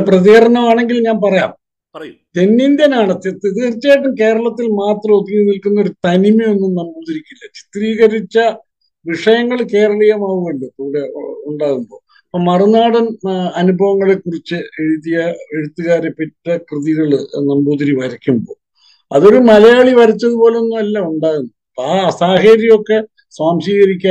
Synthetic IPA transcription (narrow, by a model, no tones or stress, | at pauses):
prɐðiɣɐɾɐɳɐmaːɳe̞ŋɡilɲaːnpɐrɐja̰ːm | t̪enːind̪jɐnaːɳɨt̪it̪iðiɣɐrit͡ɕːaːjʈ̬ːumke̞ːɾɐɭɐt̪ːilmaːt̪rɐmot̪ːiunilkunːɐoɾut̪ɐnimio̞nːumnɐmbuːðɐɾikʲːilːɐt͡ɕi̥t̪riːɣɐɾit͡ɕːɐ | ʋiʂɐjɐŋːɐɭke̞ːɾɐɭɐjɐmaːʋuʋɐɳɖɨt̪uːɽe̞uɳɖaːɣumbo̞ː | ɐpːoːmɐrunaːɽɐmɐnubʱɐʋɐŋːɐɭekurit͡ɕːɨeɻuðijɐeɻut̪ːuɣaːɾepːetːɐkrɨðiɣɐɭnɐmbuːðiɾiʋɐɾɐkʲːumbo̞̰ː | ɐ̰ðo̞ɾumɐlɐjaːɭiʋɐɾit͡ɕːɐðupo̞ːle̞onːumɐlːɐuɳɖaːɣunːouɐpːaːsaːɦɐːɾjɐmo̞kːe̞ | sʋaːmsiːɣɐɾikʲːaː